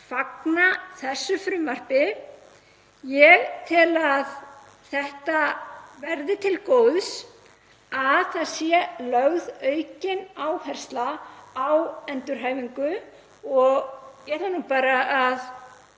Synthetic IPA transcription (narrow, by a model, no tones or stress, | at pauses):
faknaθɛsːʏfɾʏmːar̥pɪ | jɛɣt̪ʰɪlað | θɛht̪avɛɾðɪt̪ʰɪlkoːwðs | aðθaðsjɛlœɣðœɥcɪnaːwhɛr̥st̪laːawɛnt̪ʏɾ̥ɦaːjviŋkʏ | ɔɣcɛt̪anupaːɾaʔað